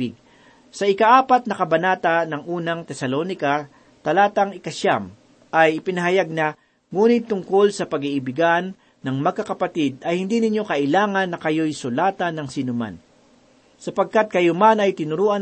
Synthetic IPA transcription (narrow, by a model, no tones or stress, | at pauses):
ɪɡ̚ | sɐɪkaʔaːpɐt̪̚nɐkɐbɐnaːt̪anɐŋʔuːnɐŋt̪ɛsɐlonɪkɐ | t̪ɐlaːt̪ɐŋɪkɐʃam | ʔɐjɪpɪnɐɦɐjaɡ̚na | ŋuːnɪt̪ːʊŋko̞lsɐpɐɡiʔɪbɪɡanː | ɐŋmɐɡ̚kːɐkɐpɐt̪ɪd̪̚ɐjhɪnd̪inɪɲjo̞kɐʔɪlaːŋɐnːɐkɐjojsʊlaːt̪ɐnɐŋsinʊma̰n | sɐpɐɡ̚kat̪̚kɐjomanɐjt̪ɪnʊɾuːʔɐn